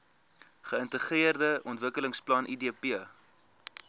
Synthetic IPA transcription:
χəəntəχiərdəʔɔntvəkələŋsplɐnʔidiəpiə

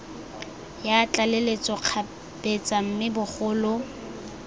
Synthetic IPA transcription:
jaːt͡ɬʼalelet͡sʼɔq͡χʰa | b̥et͡sʼam̩mɪbʊχʊːlʊ

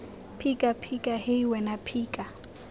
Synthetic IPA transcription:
pʰikʼapʰikʼahɪiwɛnapʰiːkʼa

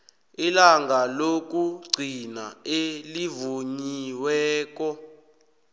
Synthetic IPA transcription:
ilaŋɡʱalok̬uɡ͡ǀʱinaelivuɲiwɛːk̬ɔ

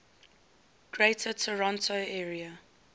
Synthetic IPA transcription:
ɡ̥ɹeɪtʰətʰəɹɔ̃ntʰoɛːɹiə

